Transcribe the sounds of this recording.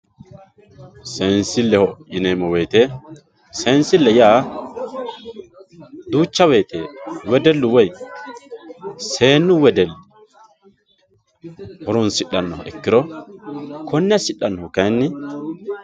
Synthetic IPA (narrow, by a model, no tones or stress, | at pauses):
seːnsɪlːɛhɔɪneːmɔwejt̪e | seːnsɪlːɛjaː | d̪uːt͡ʃːɐwejt̪ʰewɛd̪ɛlːʊwɔj | seːnːʊwɛd̪ɛlː | hɔɾʊnsɪɗːɐnːɔɛ̰kːɪɾɔ | kʰɔnːɛɐsɪɗːɐnːɔʊkɐjnːɪ